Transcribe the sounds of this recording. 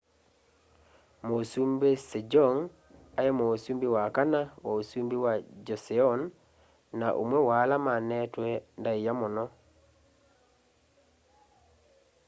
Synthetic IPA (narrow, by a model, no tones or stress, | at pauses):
mosumbesed͡ʒɔŋ | ajemosumbiwakanawosumbiwad͡ʒɔseɔnː | aʔṵmwɛwalamanɛtwendaijamɔnɔ